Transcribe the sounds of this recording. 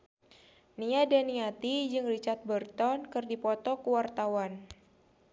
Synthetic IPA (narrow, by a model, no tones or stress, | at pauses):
niadaniat̪id͡ʒɨŋrit͡ʃart̪̚bərt̪ɔnkɨrdipɔt̪ɔkuwart̪awan